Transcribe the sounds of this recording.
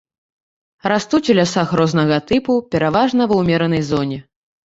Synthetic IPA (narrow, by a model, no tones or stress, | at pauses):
ɾast̪ut͡sʲulʲasaxrɔznɐɣɐt̪ɨpupʲɛɾavaʐnɐvɐwmʲɛɾɐnɐjzɔnʲɛ